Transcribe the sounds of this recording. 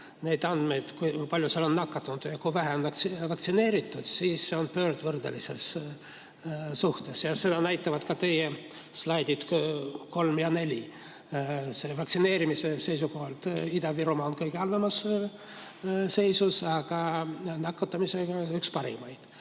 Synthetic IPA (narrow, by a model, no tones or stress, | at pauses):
ne̞jd̪ɑnd̪̥me̞jd̪̥kujpɑlʲjuselo̞nːɑkːɑt̪ːɑnut̪u̥jɑkujvæɦeonksivɑk̚t̪sine̞ːɾit̪ːˑud̪̥siːsːe̞o̞npø̞ːrd̪̥vɤrd̪̥elise̞s | suht̪e̞sjɑse̞d̪ɑnæjt̪ːˑɑvɑd̪̥kɑt̪e̞je | slɑjd̪id̪̥ko̞lmjɑne̞lʲi | se̞vɑktsine̞ːɾimise̞se̞jsuko̞ɦɑlt̪id̪ɑviɾomɑonkɤjɡ̥eɑlːɑmɑs | se̞jsusɑɡ̥ɑnɑkːɑt̪ːˑɑmise̞ɡ̥ɑykspɑɾḭmɑjd̪̥